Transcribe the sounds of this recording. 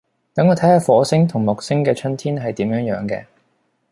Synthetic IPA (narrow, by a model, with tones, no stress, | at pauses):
t̪ɐ˨˥ŋːɔː˧t̪ʰɐ˨˥jhaː˨˧fɔː˨˥sɪ˥ŋt̪ʰʊ˨˩ŋmʊ˨k̚sɪ˥ŋkɛː˧t͡ʃʰɵ˥nt̪ʰiː˥nɦɐ˨jt̪iː˨˥mjœː˨˥ŋjœː˨˥ŋkɛ̰ː˧